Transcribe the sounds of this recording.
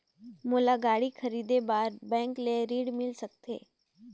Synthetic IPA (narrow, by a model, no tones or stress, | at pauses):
moːlaɡaːɽikʰɐɾiːd̪ebaːɾbɛ̃ːŋkleɾiːɽmɪlsək̚t̪ḛː